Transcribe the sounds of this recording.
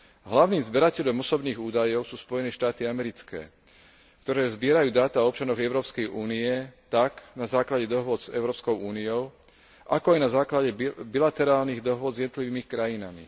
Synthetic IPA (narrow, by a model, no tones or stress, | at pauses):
ɦlaʊniːmzbɛɾacɛʎɔmɔsɔbniːɣuːd̪ajɔʊsuːspɔjɛnɛːʃt̪aːt̪iamɛɾit͡skɛ̰ː | kt̪ɔɾɛːzbɪɛɾajuːd̪aːt̪aɔp̚t͡ʃanɔɣɛʊɾɔːpskɛjʔuːniɛt̪aknazaːklaɟɛd̪ɔɦʊɔd͡zɛ̰ʊɾɔːpskɔʊuːniɔʊ | ʔakɔajnazaːklaɟɛbilat̪ɛɾaːlniɣd̪ɔɦʊɔd͡zzjɛd̪nɔt̪liʋiːmikɾajinamḭ